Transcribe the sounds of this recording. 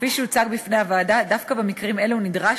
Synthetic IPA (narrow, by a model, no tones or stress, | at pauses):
fiʃɛut͡saɡbifneavad̪ad̪afkabemikʁime̞leunid̪ʁa